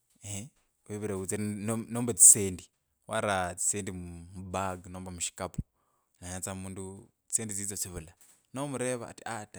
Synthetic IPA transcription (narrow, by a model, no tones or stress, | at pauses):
e | βeβiɾeut͡siɾnnoːmbet͡si̥seːndi | waɾat͡si̥seːndimubaɡnoːmbamuʃi̥kapu̥ | naɲat͡samuːndu | t͡si̥seːndit͡siːt͡sot͡siβula | nomuɾeβa̰ːtiata